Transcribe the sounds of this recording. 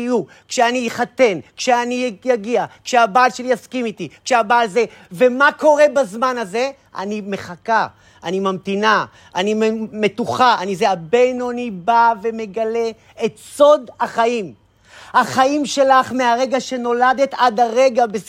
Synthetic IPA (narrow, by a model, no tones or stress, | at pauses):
ju | kʃeanijiχat̪e̞nkʃeanijaɡiakʃeabaːlʃe̞lijaskimit̪ikʃeabaːlze̞ | ve̞mako̞ʁe̞bazmanaze̞ | ʔa̰nime̞χaka | animamt̪ina | ʔanimetuχaanizeabejnonibave̞me̞ɡale̞ | et̪so̞d̪haχaim | haχaimʃe̞laχme̞aʁe̞ɡaʃe̞no̞lad̪e̞t̪ad̪aʁe̞ɡabe